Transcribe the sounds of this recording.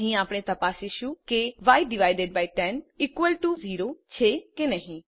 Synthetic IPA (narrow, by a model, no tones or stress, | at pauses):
ɦĩːaːpɽ̃eːt̪əpaːsɪʃuːkeʋaːɪɖɪʋaːɪɖeɖ̚baːɪʈɛnɪkʋəlʈuːziːɾoːt͡ʃʰeːkenəɦĩː